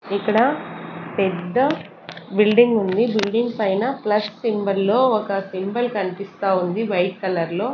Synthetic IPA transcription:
ikːɐɽɐpɛd̪ːɐ | bilɖiŋɡund̪ibilɖiŋɡpɐjnɐplɐsːimbɐlːo̞ːɔkɐsimbɐlkɐɳipist̪aːund̪iʋɐjt̪̚kɐlɐɾlo̞ː

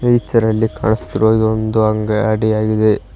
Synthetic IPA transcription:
ejit͡ʃːɐɾɐlːika̰ːɳist̪iɾoid̪ond̪uɐŋɡɐɐɽijaːɡid̪e

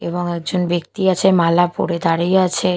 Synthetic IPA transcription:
eβoŋɛk̚d͡ʑonbekt̪iat͡ɕʰemalapo̰ɾed̪aɾiat͡ɕʰe

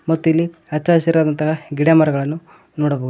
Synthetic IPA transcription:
mot̪ːijɐlːi | ɐt͡ʃːaːsiɾaːd̪ɐnt̪ɐɦaɡiɽjaːmɐɾɐɡɐɭɐnːu | noːɽɐbou

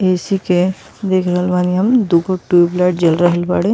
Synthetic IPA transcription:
esike | d̪ekʰɾəɦəlbaːniɦɐmd̪uɡoʈuiblaːʈ̚d͡ʒəlɾəɦəlbaːɽe

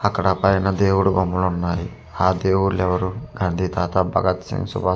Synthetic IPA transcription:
ɐkːɐɽɐpɐjnɐd̪e̞ːwuɽubɐmːulunːaːji | aːd̪eːwuɽulɛʋɐɾuɡaːnd̪ʱiːt̪aːt̪abʱɐɡɐt̪sḭŋɡsṵbʱaː

